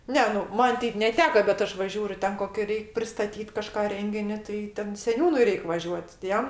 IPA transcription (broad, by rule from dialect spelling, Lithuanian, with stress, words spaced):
ˈnʲɛ nʊ ˈmɐn ˈtʲɛɪp nʲɛˈtʲæːkɐ bʲɛt ˈɐʃ ʋɐ ˈʒʲuːrʲʊ ˈtʲɛn ˈkoːkʲɛ ˈrʲɛɪkʲ pʲrʲɪstɐˈtʲiːt kɐˈʃkɑː ˈrʲɛŋʲɡʲɪnʲɪ tɐɪ ˈtʲɛn sʲɛˈnʲuːnʊɪ ˈrʲɛɪkʲ ʋɐˈʒʲuɔtʲ tʲɪ ˈjɛm